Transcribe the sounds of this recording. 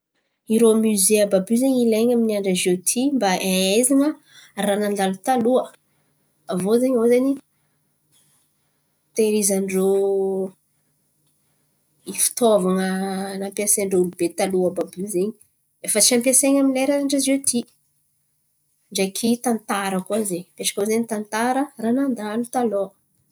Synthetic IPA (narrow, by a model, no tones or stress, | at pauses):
iɾomyzeababyzeɲileɲaminiaɳɖ͡ʐəzot̪ʰimbaeezaŋə | ranand̪alut̪aluə | avozeɲozaɲi | t̪eɾizaɳɖ͡ʐo | ifi̥t̪ovaŋənampiaseɳɖ͡ʐoulubet̪aluəbabuzeɲi̥ | efət͡siampiaseɲamileɾaaɳɖ͡ʐazet̪i | ɳɖ͡ʐekʰit̪ant̪aɾəkuazepeʈ͡ʂakʲozeɲit̪ant̪aɾəranand̪alut̪aloə